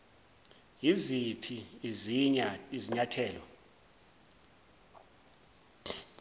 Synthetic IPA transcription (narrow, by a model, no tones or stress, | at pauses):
jizipʰiiziɲaiziɲatʰɛːlɔ̰